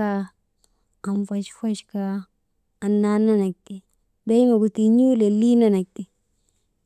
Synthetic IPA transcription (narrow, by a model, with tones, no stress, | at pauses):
a˦ | a˨mfa˨ʃfa˦ʃkaː˦˨ | nːa˦na˦na˨k̚t̪i˨ | ba˦jma˨ɡu˨t̪i˨ɲu˦le˨li˦na˦na˨k̚t̪i˨